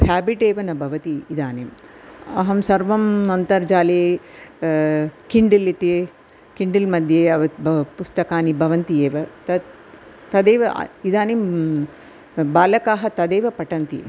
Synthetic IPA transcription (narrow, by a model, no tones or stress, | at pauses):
pʰaːbiʈeːʋɐnɐbʱɐʋɐt̪iːd̪aːnemɐ̰ɦɐmsɐɾʋɐmnɐnt̪ɐɾd͡ʒaːleː | kiɳɖilit̪eː | kiɳɖilmɐd̪ʱjeːɐʋɐpust̪ɐkaːnibʱɐʋɐnt̪ijeːʋɐt̪ɐ | t̪ɐd̪eːʋɐ̰id̪aːnem | baːlɐkaːɦɐt̪ɐd̪eːʋɐpɐʈɐnt̪ḭ